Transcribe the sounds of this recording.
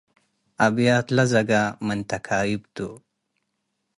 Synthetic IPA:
abjaːt̪lazɐɡamənt̪akʰaːjibt̪u

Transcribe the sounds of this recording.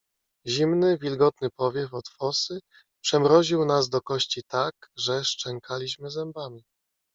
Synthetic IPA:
ʑimnɘvʲilɡɔt̪̚nɘpɔvʲjɛfɔt̪fɔsɘ | pʂɛmɾɔʑiwnazd̪ɔkɔɕt͡ɕit̪akʐɛʂt͡ʂɛŋkʰalʲiɕmɘzɛmbamʲi

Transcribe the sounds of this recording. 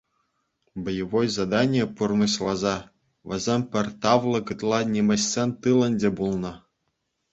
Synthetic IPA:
bɤ̆jɤ̆ʋojzɑd̪ɑnʲijepurnɤɕlˠɑzɑ | ʋʲɘ̆zʲemʲpʲɘ̆rʲt̪ɑʋlˠɤ̆kɯt̪lˠɑnʲemʲɘ̆ɕːʲenʲt̪ɯlʲˠɤ̆nʲdʲebulˠnɤ̆

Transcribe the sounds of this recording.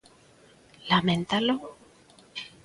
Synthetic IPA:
lamẽnt̪alo

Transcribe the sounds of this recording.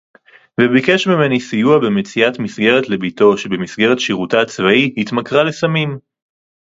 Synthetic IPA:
vebike̞ʃmime̞nisijuabemet͡siatmisɡe̞ʁetle̞bito̞ʃebemisɡe̞ʁe̞tʃiʁutaːt͡svaihit̪makʁalesamim

